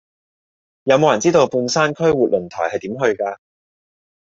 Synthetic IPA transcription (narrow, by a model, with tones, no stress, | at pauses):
jɐ˨˧wmo˨˧wjɐ˨˩nt͡siː˥t̪o˧wpuː˧nsaː˥nkʰɵ˥ɥwuː˨t̚lɵ˨˩nt̪ʰɔ̰ː˨˩jhɐ˨jt̪iː˨˥mɦɵ˧ɥkaː˧